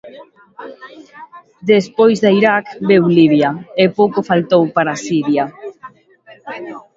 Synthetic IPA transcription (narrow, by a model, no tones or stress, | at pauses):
d̪espojzðaiɾakbewliβjaepowkofalt̪owpaɾasiɾja